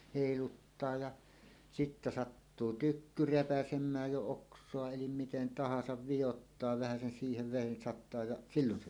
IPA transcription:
heˑilutːɑː jɑ sitːæ sɑtːuː tykːy repæsemˑæːj jo oksˑoɑ elim miten tɑhɑsɑʋ ʋijotːɑː ʋæhæsen siːheʋ ʋeˑin sɑtˑɑː jɑ silːon se

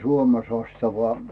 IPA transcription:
suome sɑstɑʋɑ

